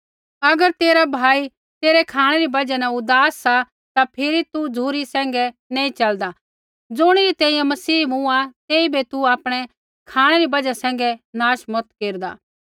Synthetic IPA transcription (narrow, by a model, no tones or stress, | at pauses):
ɐɡəɾt̪eːɾabʱaːi | t̪eːɾɛkʰaːɽ̃ɛɾibɐd͡ʒɛnɛʊd̪aːsːa | t̪apʰɪɾit̪ud͡zʱuːɾisɛ̃ːŋɡɛnɛ̃ːĩt͡ʃɐld̪a | d͡zʊɽ̃ɪit̪ɛ̃ːĩjãmɐsiːmũat̪eːibet̪uaːpɽ̃ɛ | kʰaːɽ̃ɛɾibɐd͡ʒasɛ̃ːŋɡɛnaːʃmɔt̪keːɾd̪a̰ː